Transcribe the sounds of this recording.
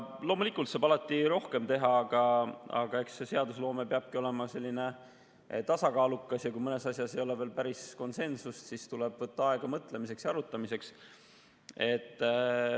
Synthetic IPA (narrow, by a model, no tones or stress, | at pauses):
lo̞ːmulikːˑult̪sɑːbɑlɑt̪ːˑiɾo̞hke̞mt̪e̞ɦɑɑɡ̥ɑɑ̰ɡ̥ɑe̞ksse̞se̞ɑd̪uslo̞ːme̞peɑb̥̚kio̞le̞mɑse̞lʲːine̞ | t̪ɑsɑkɑːlukːˑɑsjɑkujmɤne̞sɑsʲjɑsejo̞leveːlpæɾisko̞nse̞nsust̪sist̪ule̞b̥vɤt̪ːɑɑe̞ɡ̥ɑmɤt̪ˑle̞mise̞ksjɑɑɾut̪ˑːɑmise̞ks | e̞t̪ˑː